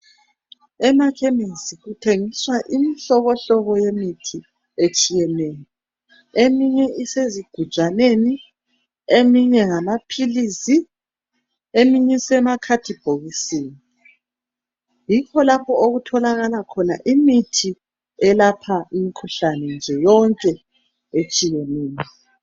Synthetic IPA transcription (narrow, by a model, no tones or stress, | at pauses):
ɛmakʰɛmesiɣutʰeŋiswaʔimiɬɔβɔɬɔβɔjemitʰi | et͡ʃʼijɛneji | emiɲɛʔiseziɡ̥ʱu̥t͡ʃaneni | emiɲɛŋamapʰilisi | emiɲisɛmakʰatʰib̥ʱoɣiseːni | jikʰɔlapʰɔoɣutʰɔlaɣalakʰɔna̰ʔimitʰi | ɛlapʰaimikʰuɬanɛnd͡ʒʱɛjɔŋkʼɛ | et͡ʃʼijɛneːjɔ